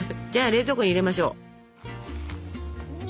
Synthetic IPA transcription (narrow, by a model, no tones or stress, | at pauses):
d͡ʑaːɾe̞ːzokoɲ̟iɾe̞maɕo̞̰ː